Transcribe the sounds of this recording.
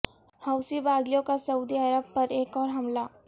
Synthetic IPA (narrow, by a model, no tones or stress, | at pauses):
hɐʊsibaːɡjõkasɐuːd̪iəɾəb̚pɐɾeːkɔːɾɦɐmlaː